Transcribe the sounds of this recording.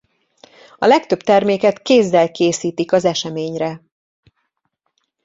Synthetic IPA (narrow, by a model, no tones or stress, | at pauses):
ɒlɛkt̪ø̞bt̪ɛrmeːkɛt̪keːzːɛlkeːsiːt̪ikɒzɛʃɛmeːɲrɛ